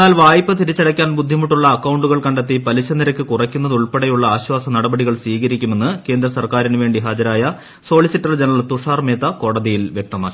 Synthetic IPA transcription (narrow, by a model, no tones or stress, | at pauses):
aːlʋaːjipːɨt̪iɾit͡ɕːɐɽɐkʲːaːnbud̪ʱːimuʈːuɭːɐːkːɐwuɳɖuɣɐɭkɐɳɖet̪ːipɐlit͡ɕːɐniɾɐkʲːɨkurɐkʲːunːɐðuɭpeɽejuɭːɐaːɕwaːsɐnɐɽɐbɐɽiɣɐɭsʋiːɣɐɾikʲːume̞nːɨke̞ːnd̪ɾɐsɐrkaːɾinɨʋe̞ːɳɖiɦaːd͡ʑɐɾaːjɐ | so̞ːɭisiʈːɐld͡ʑenɭɐɭt̪uʂaːrme̞ːt̪ːɐko̞ːɽɐðijilʋjek̚t̪ɐmaːkːi